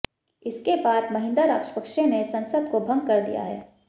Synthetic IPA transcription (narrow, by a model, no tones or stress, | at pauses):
ɪskebaːd̪mɐɦɪ̃nd̪aɾaːkʃə̥pəkʃẽnesɐ̃nsəd̪kobʱɐ̃ŋɡ̚kɐɾd̪ḭja̰ɦɛ̰ː